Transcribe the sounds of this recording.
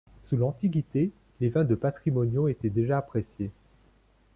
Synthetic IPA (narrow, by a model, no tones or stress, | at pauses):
sulɑ̃t̪iɡʲit̪e | levɛ̃d̪əpat̪χimɔnjõet̪ɛd̪eʒaːpχesje